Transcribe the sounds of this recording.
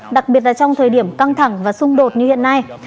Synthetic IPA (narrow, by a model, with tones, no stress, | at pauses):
ɗa˨˩k̚ɓi˨˩ət̚laː˨˩t͡ɕwŋ͡mt̪ʰəː˨˩jɗi˧˩əmka˧ŋt̪ʰa˧˩ŋvaː˨˩sʊ˧ŋ͡mɗo˨˩t̚ɲɨ˧hḭ˧˨ənːa˧j